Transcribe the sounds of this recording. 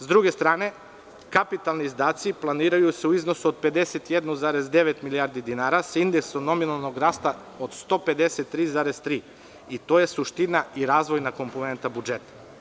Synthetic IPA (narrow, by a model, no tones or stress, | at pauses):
zd̪ɾuɡe̞st̪ɾaːne̞ | kapit̪alˠniːzd̪aːt̪siplˠaniːɾajuseuizno̞suod̪̚pe̞d̪e̞set̪jed̪nuzaːɾezd̪e̞ʋet̪milijaɾd̪id̪inaːɾasind̪eksono̞minalˠnoɡɾaːst̪a | od̪st̪o̞pe̞d̪e̞set̪ːɾiːzaːɾezt̪ɾiː | it̪o̞ːje̞suʃt̪inaiɾaːzʋo̞jnako̞mpone̞nt̪abud͡ʒet̪ḁ